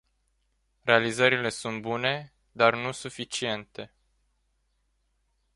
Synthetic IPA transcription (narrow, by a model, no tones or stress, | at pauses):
ɾe̞alizəɾile̞sunt̪̚bune̞ | d̪arnusufit͡ʃie̞nt̪e̞